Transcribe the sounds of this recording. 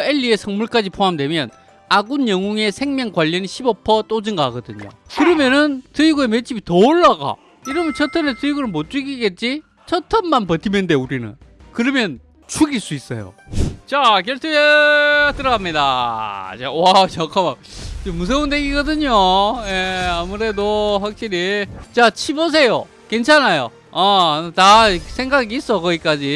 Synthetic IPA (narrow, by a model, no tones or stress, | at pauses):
e̞ʎːie̞sʰʌŋmuɭk͈ad͡ʑipʰoɦamdwe̞mjʌn | aɡunjʌŋuŋe̞sʰe̞ŋmjʌŋkwaʎːʌniɕʰibʌpʰʌt͈od͡ʑinɡaaɡʌdɯɲo̰kɯɾʌmjʌnɯntɯiɡue̞met͡ɕ͈ʰibitʌoɭːaɡa̰ | iɾʌmɯnt͡ɕʰʌtʰʌnet͈ɯiɡuɾɯnmot͡ɕ͈uɡiɡe̞t͡ɕ͈i | t͡ɕʰʌtʰʌmmanpʌtʰimende̞uɾinɯ̰nkɯɾʌmjʌn | t͡ɕʰuɡiɭs͈uis͈ʌ̰jo̰t͡ɕakjʌɭtʰɯetɯɾʌɡamɲidat͡ɕawat͡ɕʌkʰamat͡ɕemus̬ʰeundeɡiɡʌdɯɲoje̞amuɾe̞doɸwak̚ɕ͈iɾit͡ɕat͡ɕʰibos̬ʰe̞jo | ke̞nt͡ɕʰanajo̰ | ʌtasʰe̞ŋɡaɡiːs͈ʌkʌɡik͈ad͡ʑi